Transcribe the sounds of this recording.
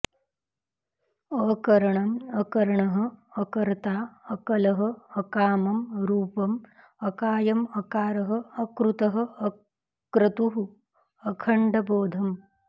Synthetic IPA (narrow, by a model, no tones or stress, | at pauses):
ɐːkɐɾɐɳɐmɐkɐɾɐɳɐɦɐ̆ɐkɐɾt̪aːɐkɐlɐɦɐɐkaːmɐmɾuːpɐm | ɐkaːjɐmɐkaːɾɐɦɐːkɾut̪ɐɦɐ̆ɐ | kɾɐt̪uɦu | ɐkʰɐɳɖɐboːd̪ʱɐm